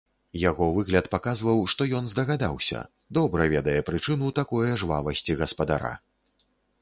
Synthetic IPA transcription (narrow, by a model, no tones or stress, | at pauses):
jaɣɔvɨɣlʲɐt̪pakazvɐwʂt̪ɔjɔnzd̪ɐɣad̪awsʲɐ̰ | d̪ɔbɾɐvʲɛd̪ɐjɛpɾɨt͡ʂɨnut̪akɔjɛʐvavɐsʲt͡sʲiɣɐspɐd̪a̰ɾa̰